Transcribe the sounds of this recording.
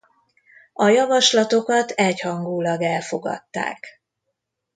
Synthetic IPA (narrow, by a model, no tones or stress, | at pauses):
ɒjɒvɒʃlɒt̪o̞kɒt̪ɛchɒŋɡuːlɒɡɛlfo̞ɡɒ̰t̪ːa̰ːk